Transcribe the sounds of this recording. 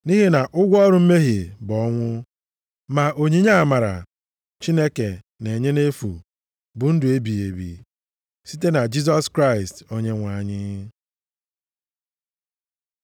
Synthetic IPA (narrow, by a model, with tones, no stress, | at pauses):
ni˦ɦe˦na˨ʔʊ˦ɡʷɔ˦ɾʊ˨m̩˦me˦ɦi˨bɔ˨˦ŋʷʊ˦ | ma˨ʔo˨ɲi˦ɲa˦˨ma˨ɾa̰˨ | t͡ʃi˦ne˦ke˨ | ne˨ɲe˦ne˦fṵ˨ | bʊ˨n̩˦dʊ˨e˦bi˨e˨bḭ˨ | si˦te˦na˨d͡ʒi˦s̬ɔ˦skɾa˦˨ɪ˨sto˦ɲe˦ŋʷa˨ɲɪ˦